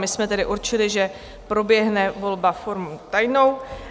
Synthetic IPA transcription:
mɪsmɛt̪ɛdɪʔuɾt͡ʃɪlɪʒɛ | pɾo̞bjɛɦnɛvo̞lbafoɾmut̪ajno̞w

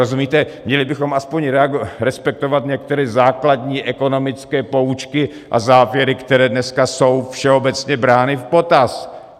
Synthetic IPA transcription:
ozumiːt̪ɛmɲɛlɪbɪxo̞mʔaspoɲɾɛaɡɾɛspɛk̚t̪o̞vat̪ɲɛk̚t̪ɛɾɛzaːkladɲiːʔɛko̞no̞mɪt͡skɛːpo̞ut͡ʃkɪ | ʔazaːvjɛɾɪkt̪ɛɾɛːdnɛskaso̞wfʃɛo̞bɛt͡sɲɛbɾaːnɪfpo̞t̪as

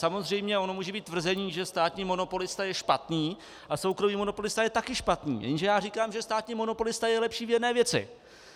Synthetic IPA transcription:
samo̞zr̝ɛjmɲɛʔo̞no̞muːʒɛbiːt̪̚ːvr̩zɛɲiːʒɛst̪aːt̪ɲiːmo̞no̞po̞lɪst̪ajɛʃpat̪niː | ʔasowkɾomiːmo̞no̞po̞lɪst̪ajɛt̪akɪʃpat̪nḭːjɛ̰nʒɛjaːriːkaːmʒɛst̪aːt̪ɲiːmo̞no̞po̞lɪst̪ajɛlɛpʃiːvjɛnɛːvjɛt͡sɪ̰

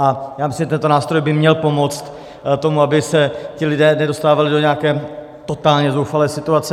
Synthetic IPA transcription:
ʔajaːmɪsɪmʒɛt̪ɛnt̪o̞naːst̪ɾo̞jbɪmɲɛlpo̞mo̞t͡st̪ | t̪o̞muabɪsɛc̪ɪlɪdɛːnɛdo̞st̪aːvalɪdo̞ɲɛakɛː | t̪o̞t̪aːlɲɛzowfalɛːsɪt̪uat͡sɛ

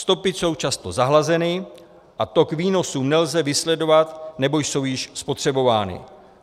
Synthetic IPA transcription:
st̪o̞pɪso̞wt͡ʃast̪o̞zaɦlazɛnɪ | ʔat̪o̞kviːno̞suːmnɛlzɛvɪslɛdo̞vat̪nɛbo̞jso̞wjɪʃspo̞t̪r̝̥ɛbo̞vaːnɪ̰

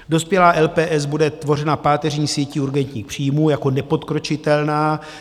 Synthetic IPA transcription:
do̞spjɛlaːʔɛlpɛːʔɛz̬budɛt̪vo̞r̝ɛnapaːt̪ɛr̝ɲiːsjɛciuɾɡɛnt̪ɲiːxpr̥iːjmuːjako̞nɛpo̞t̪kɾo̞t͡ʃɪt̪ɛlnaː

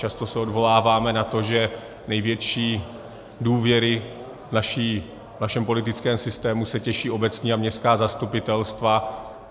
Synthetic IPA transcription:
t͡ʃast̪o̞sɛo̞dvo̞laːvaːmɛnat̪o̞ʒɛ | nɛjvjɛt͡ʃiː | duːvjɛɾɪ | vnaʃiː | vnaʃɛmpo̞lɪt̪̬ɪt͡skɛːmsɪst̪ɛːmusɛcɛʃiːʔo̞bɛt͡sɲiːamɲɛst̪kaːzast̪upɪt̪ɛlst̪va

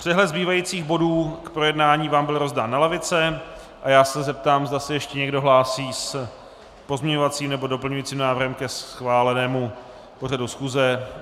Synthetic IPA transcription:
pr̥ɛɦlɛt̪zbiːvajit͡siːɣbo̞duːkpɾo̞jɛdnaːɲiːvaːmbɪlɾo̞zdaːnːalɛvɪt͡sɛ | ʔajaːsɛzɛp̚t̪aːmzdasɛjɛʃcɛɲɛɡdo̞ɦlaːsiːs | po̞zmɲɛɲo̞vat͡siːmnɛbo̞do̞pl̩ɲujiːt͡siːmnaːvɾrɦɛmkɛsxvaːlɛnɛːmu | po̞radusxuːzɛ

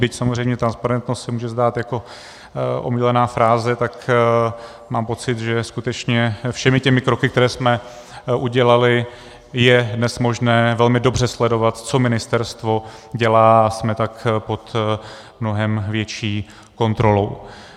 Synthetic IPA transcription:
bɪcsamozrɛjmɲɛt̪ɾanspaɾɛnt̪no̞st̪sɛmuːʒɛzdaːt̪jako̞ | ʔo̰miːlɛnaːfɾaːzɛt̪ak | maːmpo̞t͡sɪt̪ʒɛskut̪ɛt͡ʃɲɛfʃɛmɪcɛmɪkɾo̞kɪkt̪ɛɾɛːsmɛ | ʔuɟɛlalɪ | jɛdnɛsmo̞ʒnɛːvɛlmɪdo̞br̝ɛslɛdo̞vat̪t͡so̞mɪnɪst̪ɛɾst̪vo̞ɟɛlaːasmɛt̪akpo̞t̪ | mno̞ɦɛmvjɛt͡ʃiː | ko̞nt̪ɾo̞lo̞w

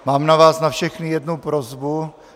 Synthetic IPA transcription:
maːmnavaːsnafʃɛxnɪjɛdnupɾozbu

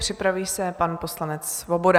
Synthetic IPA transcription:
pr̝̥ɪpɾaviːsɛpanpo̞slanɛt͡ssvobo̞da

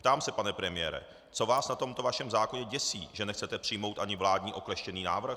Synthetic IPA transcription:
pt̪aːmsɛpanɛpɾɛmɪjɛɾɛ̰ | t͡so̞vaːsnat̪o̞mt̪o̞vaʃɛmzaːko̞ɲɛɟɛsiːʒɛnɛxt͡sɛt̪ɛpr̥ɪjmo̞wt̪ʔaɲɪvlaːdɲiːʔo̞klɛʃcɛniːnaːvr̩x

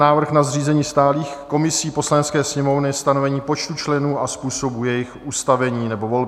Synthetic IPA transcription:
naːvr̩xnazriːzɛɲiːst̪aːliːxko̞mɪsiːpo̞slanɛt͡skɛːsɲɛmo̞vnɪst̪ano̞vɛɲiːpo̞t͡ʃt̪ut͡ʃlɛnuːaspuːso̞bujɛjɪxʔuːst̪avɛɲiːnɛbo̞vo̞lbɪ

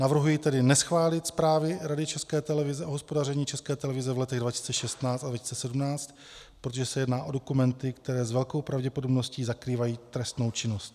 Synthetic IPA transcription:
navr̩ɦujit̪ɛdɪnɛsxvaːlɪt̪spɾaːvɪɾadɪt͡ʃɛskɛːt̪ɛlɛvɪzɛʔoɦo̞spo̞darɛɲiːt͡ʃɛskɛːt̪ɛlɛvɪzɛvlɛt̪ɛɣdvacɪ̥si̥t͡sɛʃɛst̪naːt͡st̪advaci̥si̥t͡sɛsɛdumnaːt͡st̪ | pɾot̪oʒɛsɛjɛdnaːʔo̞do̞kumɛnt̪ɪkt̪ɛɾɛːzvɛlko̞wpɾavɟɛpo̞dobno̞sciːzakɾiːvajiːt̪ɾɛst̪no̞wt͡ʃɪno̞st̪

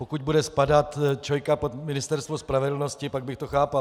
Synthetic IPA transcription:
pokʊɟ̚budɛspadat̪t͡ʃojkapot̪mɪnɪst̪ɛɾst̪vospɾavɛdl̩no̞scɪpaɡ̚bɪxt̪oxaːpa

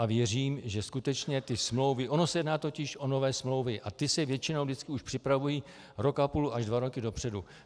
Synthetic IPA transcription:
ʔavjɛriːmʒɛskut̪ɛt͡ʃɲɛt̪ɪsmlo̞wvɪʔo̞no̞sɛjɛdnaːt̪o̞cɪʃʔo̞no̞vɛːsmlo̞wvɪʔat̪ɪsɛvjɛt͡ʃɪno̞wdɪt͡skɪuʃpr̥ɪpɾavuji | ɾo̞kʔapuːluaʒdvaɾo̞kɪdo̞pr̥ɛdu

